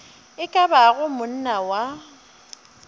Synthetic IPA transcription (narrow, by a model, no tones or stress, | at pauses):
ɪkʼabaɣʊmʊn̩nawa